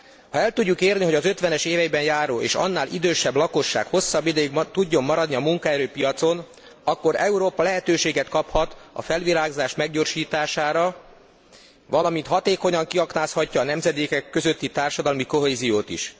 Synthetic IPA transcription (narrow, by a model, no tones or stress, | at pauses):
hɒɛlt̪uɟːukeːrniɦo̞ɟɒzøt̪ʋɛnɛʃeːvɛjbɛnjaːɾoːʔḛːʃɒ̰nːaːlʔḭd̪øːʃɛblɒko̞ʃːa̰ːkho̞sːɒbːid̪ɛjiɡt̪uɟːo̞mːɒɾɒd̪niɒmuŋkaɛɾøːpijɒt̪so̞n | ɒkːo̞ɾɛuɾoːpɒlɛɦɛt̪øːʃeːɡɛt̪kɒphɒt̪ɒ̰fɛlʋiɾaːɡzaːʃmɛɡɟo̞ːrʃiːt̪aːʃaːɾɒ | ʋɒlɒmint̪hɒt̪eːko̞ɲɒŋkiɒknaːshɒcːɒːnɛmzɛd̪eːkɛkːø̞zø̞t̪ːit̪aːrʃɒd̪ɒlmiko̞ɦeːzijoːt̪ḭʃ